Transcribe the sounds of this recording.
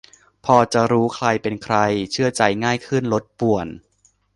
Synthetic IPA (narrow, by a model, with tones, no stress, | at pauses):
pʰɔː˧t͡ɕa˨˩ɾuː˦˥kʰɾa˧jpe˧nkʰɾa˧jt͡ɕʰɯ˥˩ɐt͡ɕa˧jŋaː˥˩jkʰɯ˥˩nlo˦˥t̪̚pu˨˩ən